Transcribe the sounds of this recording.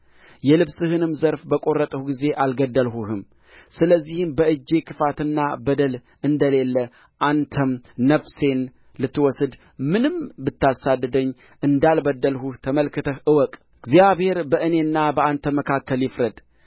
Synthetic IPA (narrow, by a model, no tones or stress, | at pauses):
jɛlɨβsɨhɨnɨmzəɾfbəkʼo̞rːət̪ʼəhuɡize̞ʔalɡəd̪ːəlɦuhɨm | sɨləzːihɨmbəɨd͡ʒːe̞kʰɨfat̪ɨnːabəd̪əl | ɨnd̪əle̞lːə | ʔant̪ʰəmnəfse̞n | lɨt̪ːwɔsɨd̪ | mɨnɨmbɨt̪ːasad̪ːəd̪əɲː | ʔɨnd̪albəd̪ːəlhuht̪ʰəməlkɨt̪ʰəʔɨwɔkʼ | ɨɡzijaβhe̞ɾbəʔɨne̞nːabəant̪ʰəməkʰakːəljɪfɾəd̪